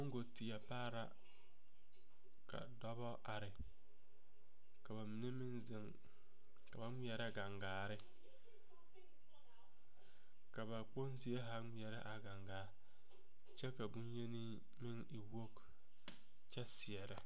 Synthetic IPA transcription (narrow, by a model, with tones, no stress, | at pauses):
o˦ŋ˦ɡo˨tɪ˨ja˨paː˦ɾa˦ | ka̰˨dɔ˦bɔ˦ʔa˨ɾɪ˨ | ka˨ba˨mɪ˨ne˦mɪ˦nzɪ˨ŋ | ka˨ba˦ŋʷi˦ɛ˨ɾa˦ɡa˨ŋɡaː˨ɾɪ˦ | ka˨ba˨k͡po˦nsɪ˦e˦ɦa˦ŋʷi˦˨ɛ˨ɾɪ˦ʔa˨ɡa˨ŋɡaː˨˦ | t͡ʃɛ˦ka˨bu˦nje˦ni˦ | mɪ˦ŋi˨wo˦k | t͡ʃɛ˦sɪ˨ɛ˨ɾɪ˨